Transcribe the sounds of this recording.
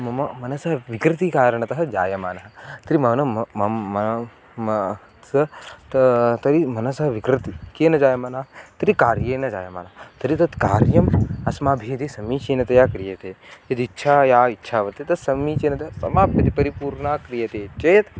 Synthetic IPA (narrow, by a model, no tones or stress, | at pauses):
mɐmɐmɐnɐsɐɦɐʋikɾɪt̪ikaːɾɐɳɐt̪ɐɦɐd͡ʒa̰ːjɐma̰ːnɐɦɐt̪ɐɾimɐʋnɐmɐ | ɐt̪t̪ɐɾimɐnɐsɐɦɐʋikɾit̪ikeːnɐd͡ʒaːjɐmaːnaɦɐt̪ɐɾikaːɾjeːnɐd͡ʒa̰ːjɐma̰ːnɐt̪ɐɾit̪ɐt̪kaːɾjɐmɐsmaːbʱiːɐt̪isɐmiːt͡ʃeːnɐt̪ɐjaːkɾijɐt̪eːjɐt̪itːʃʰaːjaːitːʃʰaːʋɐt̪et̪ɐsɐmiːt͡ʃeːnɐt̪ɐjaːsɐ̰maːpɐt̪ipɐɾipuːɾɳaːkɾijɐt̪eːt͡ʃɐjɐt̪